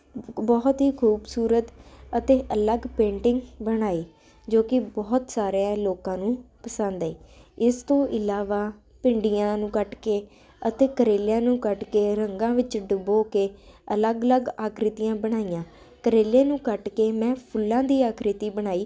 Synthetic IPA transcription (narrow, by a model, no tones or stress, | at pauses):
bɔːt̪ɦiːkʰuːbsuːɾət̪ət̪eːʔələɡpẽːɳʈɪŋɡbəɽ̃aːeː | d͡ʒoːkɪbɔːt̪saːɾãloːkãːnũːpəsə̃nd̪eːɪst̪õːʔɪlaːʋaː | pɪɳɖɪjãːnũːkəʈkeː | ət̪eːkəɾeːljãːnũːkəʈkeːɾəŋɡãːʋɪt͡ʃɖəboːkeːələɡələɡaːkʰɾɪt̪ijãːbəɽ̃aːijãː | kəɾeːlẽːnũːkəʈkeːmɛ̃ːpʰʊlːãːd̪iːaːkʰɾɪt̪iːbəɽ̃aːiː